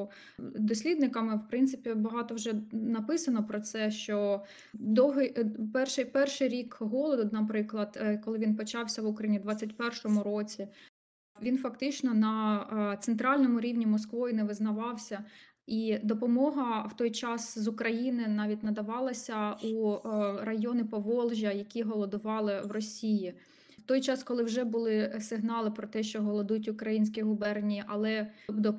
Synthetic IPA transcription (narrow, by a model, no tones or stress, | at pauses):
d̪ɔsʲlʲid̪nɪkɐmɪwpɾɪntsɪpʲibɐɦɑt̪ɔwʒɛnɐpɪsɐnɔpɾɔt̪sɛʃt͡ʃɔ | d̪ɔwɦɪpɛrʃɪjpɛrʃɪjɾʲikɦɔlˠɔd̪ʊnɐpɾɪklˠɐd̪̥kɔlˠɪʋʲinpɔt͡ʃɑwsʲɐʋukɾɐinʲid̪ʋɑt͡sʲːɐtʲpɛrʃɔmʊɾɔt͡sʲi | ʋʲinfɐkt̪ɪt͡ʃnɔnɐt̪sent̪ɾɑlʲnɔmʊɾʲiwnʲimɔskʋɔjʊnɛʋɪznɐʋɑwsʲɐ | id̪ɔpɔmɔɦɐwt̪ɔjt͡ʃɑszʊkɾɐjinɪnɑʋʲit̚ʲnɐd̪ɐʋɑlˠɐsʲɐurɐjɔnɪpɔʋɔlˠʒʲjɐjɐkʲiɦɔlˠɔd̪ʊʋɑlˠɪwrɔsʲiji | wt̪ɔjt͡ʃɑskɔlˠɪwʒɛbʊlˠɪsɪɦnɑlˠɪpɾɔt̪ɛʃt͡ʃɔɦɔlˠɔd̪utʲʊkɾɐjinʲsʲkʲiɦʊbɛrnʲiʔɐlˠɛd̪ɔ